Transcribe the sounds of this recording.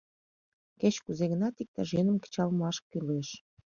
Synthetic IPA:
ket͡ɕkuzeɣənɑt̪ik̚t̪ɑʒenəmkə̥t͡ɕɑlmɑʃkyleʃ

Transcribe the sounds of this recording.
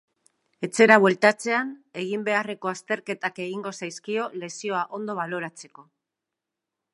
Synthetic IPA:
e̞t͡se̞ɾaβwe̞lt̪at͡se̞ane̞ɣimbe̞are̞ko̞ast̪e̞ɾke̞t̪ake̞ɣiŋɡo̞sajskio̞le̞sio̞aʔo̞nd̪o̞β̞alo̞ɾat͡se̞ko̞

